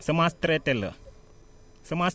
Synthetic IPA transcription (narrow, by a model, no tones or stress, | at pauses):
səmast̪ɾet̪elə̰ | səmas